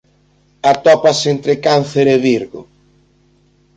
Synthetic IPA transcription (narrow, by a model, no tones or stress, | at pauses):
at̪ɔpasent̪ɾɪkan̟θeɾeβiɾɣʊ̰